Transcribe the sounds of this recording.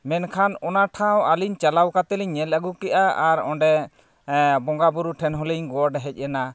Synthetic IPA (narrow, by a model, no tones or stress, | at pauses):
mɛnkʰanɔnaʈʰãwaliɲt͡ʃalawkat̪ɛliɲːɛlaɡukɛʔaaɾɔɳɖɛ | bɔŋɡabuɾuʈʰɛnɦɔliɲɡɔɖɛɦɛc̚ˀɛna